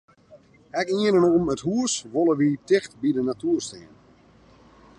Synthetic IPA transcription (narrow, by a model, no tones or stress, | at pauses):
ɛkiənənuməthuəsʋolˠəʋitɪxtbidənatuːərstɪən